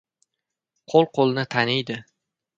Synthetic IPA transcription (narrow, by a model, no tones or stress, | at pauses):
qʰolˠqʰolˠnɪt̪ʰanɪjd̪ɪ